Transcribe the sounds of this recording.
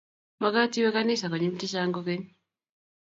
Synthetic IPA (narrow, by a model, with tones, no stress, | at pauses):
ma˨˦ka˦ti˦we˦ka˦ni˦sa˨ko˨ɲi˦mi˦ti˦ʃ̬aː˦ŋɡo˦ke˦ɲi